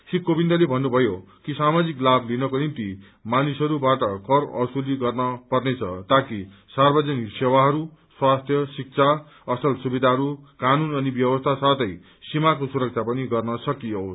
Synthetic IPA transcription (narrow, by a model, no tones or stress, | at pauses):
sikːobind̪ʌlebʱʌnːubʱʌjo | kisamad͡ziklablinʌkonint̪i | manisʌɾubaʈʌkʌrʌsuliɡʌrnʌpʌrnet͡sʰʌ̰t̪aki | sarbʌd͡zʌniksewaɦʌɾu | swast̪ʰjʌsik̚t͡sʰa | ʌsʌlsubid̪ʱaɦʌɾukanunʌnibjʌbʌst̪ʰasat̪ʌj | simakosuɾʌk̚t͡sʰapʌniɡʌrnʌsʌkijo